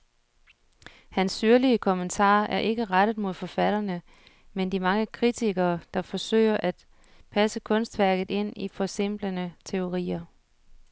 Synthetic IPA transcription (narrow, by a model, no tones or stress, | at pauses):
hænsːyɐliəkʰɔ̽mənt͡sʰɑ̰̈ːæɐʔe̝ɡ̥əʁad̥ð̩ˠmo̝ð̞̰ˠfɒ̽fæɾ̥ɐnə | mend̥imɑ̈ŋəkʰʁit͡sʰiɡ̥ɐːd̥ɑ̈fɒ̽sø̰ɪɐʔæd̥ | pʰæsəkʰɔ̽nsd̥ʋæɐɡ̥ð̩ˠe̝n̰ifɒ̽se̝m̰b̥lənət͡sʰe̝o̝ʁḭːɐ